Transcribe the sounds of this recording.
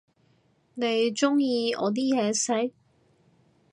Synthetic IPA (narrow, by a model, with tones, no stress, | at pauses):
ne˨˧jt͡ʃʊ˥ŋjiː˧ɔ̰ː˨˧t̪̬iː˥jɛː˨˧sɐ˨˥